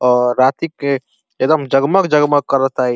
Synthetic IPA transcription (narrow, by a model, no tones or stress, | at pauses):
ɔːɾaːt̪ike | ekd̪ɐmd͡ʒɐɡməkd͡ʒɐɡməkːɐɾət̪aɦɛ